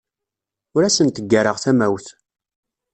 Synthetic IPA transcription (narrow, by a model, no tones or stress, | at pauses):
ʊɾæsənt̪əɡːəɾəʁθæmæwθ